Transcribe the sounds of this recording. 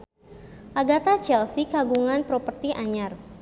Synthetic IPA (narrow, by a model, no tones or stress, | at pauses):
ʔaɡat̪at͡ʃɛlsikaɡuŋanpɾɔpərt̪iʔaɲar